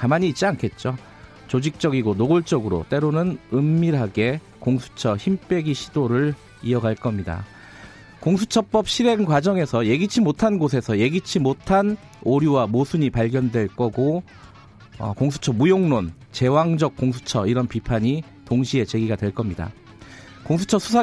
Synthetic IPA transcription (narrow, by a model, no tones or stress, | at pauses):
kamaɲiːt͡ɕ͈iankʰe̞t̚t͡ɕ͈o | t͡ɕod͡ʑik̚t͡ɕ͈ʌɡiɡonoɡoɭt͡ɕ͈ʌɡɯɾo̰t͈e̞ɾonɯnɯmːiɾɦaɡe̞ | koŋsʰu̥t͡ɕʰʌçimp͈e̞ɡiɕʰidoɾɯɭ | iʌɡaɭk͈ʌmɲida̰ | koŋsʰut͡ɕʰʌp͈ʌp̚ɕʰiɾe̞ŋkwad͡ʑʌŋe̞sʰʌje̞ɡit͡ɕʰimotʰanɡosʰe̞sʰʌje̞ɡit͡ɕʰimotʰan | oɾjuwamosʰuɲipaʎɡjʌndwe̞ɭk͈ʌɡo | ʌ̰koŋsʰu̥t͡ɕʰʌmujoŋnon | t͡ɕe̞waŋd͡ʑʌk̚k͈oŋsʰu̥t͡ɕʰʌiɾʌnpipʰaɲi | toŋɕʰie̞t͡ɕe̞ɡiɡadwe̞ɭk͈ʌmɲida̰ | koŋsʰu̥t͡ɕʰʌsʰusʰa